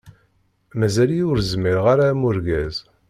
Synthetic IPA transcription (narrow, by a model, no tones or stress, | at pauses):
mæzæljʊɾzmiɾʁaɾamʊɾɡæz